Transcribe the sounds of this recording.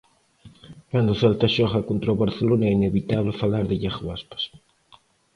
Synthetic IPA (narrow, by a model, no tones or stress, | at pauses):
kand̪oθalt̪aʃoxakont̪ɾoβaɾθelonaɛineβit̪aβlefalaɾðeʎaxoaspḁs